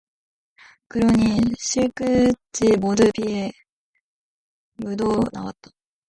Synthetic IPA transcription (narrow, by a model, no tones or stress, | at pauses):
kɯɾoɲiɕʰiɭk͈ɯt͡ɕimodɯpie | mudona̰wa̰t̚t͈ḁ